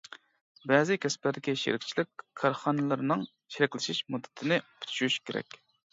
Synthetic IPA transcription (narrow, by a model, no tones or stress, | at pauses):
bɛzɪkʲʰɛspɪɾd̪ɪkʲiʃḭɾɪk̚ʲt͡ʃʰilɪkʲkʰːɑɾχɑnɨlˠɨɾnɨŋ | ʃiɾɪkʲlɪʃiʃmud̪ːɨ̥t̪ʰɪnɪpʰy̥t̪ʰy̥ʃyyʃkʲʰeɾɛ̰kʲ